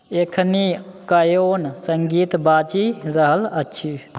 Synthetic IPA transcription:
ekʰnikəjonsəŋɡit̪bat͡ʃiɾəɦələtːʃʰi

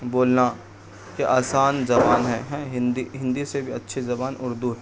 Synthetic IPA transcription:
boːlna | keʔaːsaːnzɐbaːnɦɛɦɛ̃ɦɪ̃nd̪iɦɪ̃nd̪isebʱiɐtːʃʰezɐbaːnʊ̰ɾd̪uɦɛ

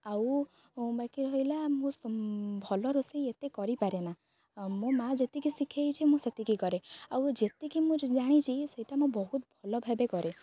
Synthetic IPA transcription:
aw | bakiɾɔɦilamũsbʱɔlɔɾusiet̪ekɔɾipaɾena | mũmad͡ʒet̪ikisikʰejt͡ʃʰimũset̪ikikɔɾeawd͡ʒet̪ikimũd͡ʒaɽ̃it͡ʃʰiseɦiʈamũbɔɦut̪̚bʱɔlɔbʱabekɔɾe

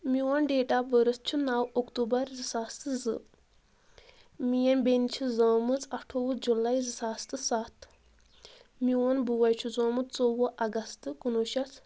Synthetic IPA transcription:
mʲjuwɐnɖeːʈabəɾɨst͡ʃʰunawokt̪uːbɐɾzɨsaːst̪ɨzɨ | mijɐnbent͡ʃʰizoːmɨt͡sɐʈʰoʋud͡ʒulaːizɨsaːst̪ɨsaːt̪ʰ | mʲuwɐnbuːɐjt͡ʃʰuzoːmɨt͡st͡soːwɐʔɐɡɐst̪ɨkunuːʃɐsʰ

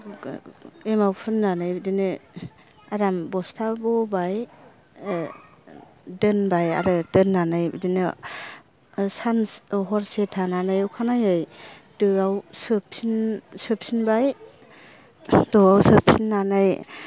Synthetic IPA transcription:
emawpʰɯnːanɯjbidinɯ | aɾambɔstʰabɔbaj | dɯnbaja̰ɾɯdɯnːanajbidinɯ | sanɦɔɾsetʰananajwkʰanajɯj | dɯawsɯpsinsɯp̚sinbaj | dɔawsɯpsinːanaj

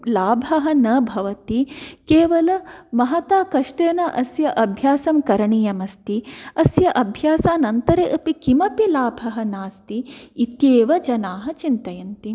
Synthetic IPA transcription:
laːbʱɐɦɐ̆nɐbʱɐʋɐt̪ikeːʋɐlɐmɐɦɐt̪aːkɐʂʈeːnɐʔɐsjɐʔɐbʱjaːsɐmkɐɾɐɳijɐmɐst̪iɐsjɐʔɐbʱjaːsaːnɐnt̪ɐɾeːʔɐpikimɐpilaːbʱɐɦɐ̆naːst̪iːt̪jeːʋɐd͡ʒɐnaːɦɐt͡ʃint̪ɐjɐnt̪i

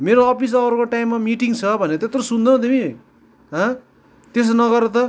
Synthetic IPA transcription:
meɾoʌpis̬ʌʌɾkoʈaimːamiʈiŋt͡sʰʌbʱʌneʌt̪et̪rosund̪õt̪imĩ | ɦʌ̃ | t̪es̬nʌɡʌɾet̪ʌ

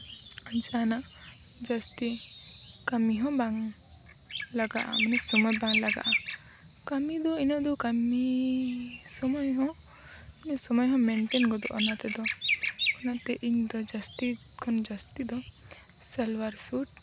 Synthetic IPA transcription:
əd͡ʒana | d͡ʒɐst̪i | kamiɦɔ̃baŋ | laɡa̰ʔa̰mənɛsɔmɔjbaŋlaɡa̰ʔa | kɐmid̪ɔinad̪ɔkami | sɔmɔjɦɔ̃ | mɐnɛsɔmɔjɦɔ̃mɛɳʈenɡɔd̪ɔ̰ʔɔ̰nat̪ɛd̪ɔɔnat̪eʔiɲd̪ɔd͡ʒɐst̪i | kʰɔnd͡ʒɐst̪id̪ɔ | sɛlwaɾsuʈ̚

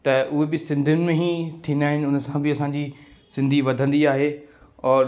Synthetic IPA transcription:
t̪ɐʔʊɦebɪsɪ̃nd̪ʱʊnɪ̆mẽɦit̪ʰĩːnd̪aːɦɪnɪ̆ʊnə̆sãbɪɐsãːɲd͡ʑisɪ̃nd̪ʱiʋɐd̪ʱə̃nd̪iaːɦeːɔːɾ

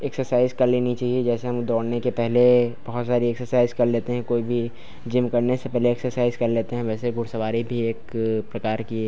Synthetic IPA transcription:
eksəɾsaːɪzkɐɾleːnit͡ʃaːɦied͡ʒɛːseɦɐmd̪ɔːɽnekepɛɦleb̥ɐɦʊt̪saːɾieksəɾsaːɪzkɐɾleːt̪eɦɛ̃koːibʱi | d͡ʒɪ̃mkɐɾnesepɛɦleːksəɾsaːɪzkɐɾleːt̪eɦɛ̃ʋɛːseɡʊɽsɐʋaːɾibʱieːkpɾɐkaːɾkieː

